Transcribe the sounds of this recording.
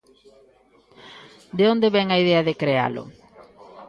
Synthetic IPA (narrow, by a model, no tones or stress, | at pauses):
d̪eõnd̪eβɛŋɐiðɛɐðekɾea̰lʊ̰